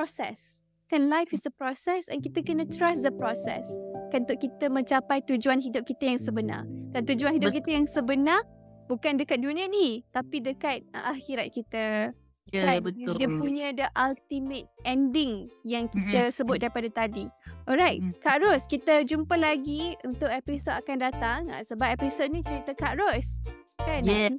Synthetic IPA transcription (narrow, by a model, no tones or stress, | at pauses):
pɔsɛ̰s | kãnlajfisəpɾɔsɛsɛ̰̃nkit̪əkənət̪ɾasdəpɾɔsɛ̰skaunt̪ʊʔkit̪əmə̃ɲt͡ʃapajt̪ud͡ʒuanɦidʊp̚kit̪əjaŋsəbəna̰k̪ant̪ud͡ʒuanhidʊkit̪əjaŋsəbənabukandəkat̪̚dunĩənit̪apidəkat̪̚əʔaxiɾat̪̚kit̪ə | ət̪əpuɲə̃dəʔalt̪imət̪̚ʔɛndɪŋjaŋkit̪əsəbʊt̪̚daɾipadat̪adiɔɾajt̪̚kaʔɾɔskit̪əd͡ʒumpəlaɡiunt̪ʊk̚ɛpisodakandat̪aŋa̰səbap̚ɛpisot̚nĩt͡ʃəɾit̪əkaʔɾɔs | kan